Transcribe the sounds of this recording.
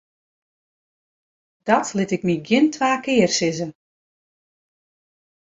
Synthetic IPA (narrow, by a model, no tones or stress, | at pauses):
d̥ɔtlɪtɪk̚miɡjɪntʰʋaːkɪːərsɪzə